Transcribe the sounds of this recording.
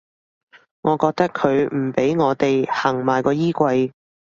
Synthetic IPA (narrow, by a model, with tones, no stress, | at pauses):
ŋɔː˨˧kɔː˧k̚t̪ɐ˥kʰɵ˨˧ɥm̩˨˩pe˨˥jŋɔː˨˧t̪e˨jhɐ˨˩ŋmaː˨˩jkɔː˧jiː˥kʷɐ˧j